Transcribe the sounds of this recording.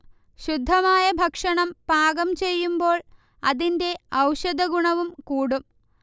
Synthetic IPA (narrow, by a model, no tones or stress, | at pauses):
ɕud̪ʱːɐmaːjɐbʱɐkʂɐɳɐmpaːɡɐmt͡ɕe̞jːumbo̞ːɭ | ɐðinde̞ɐwɕɐd̪ɐɡuɳɐʋumkuːɽum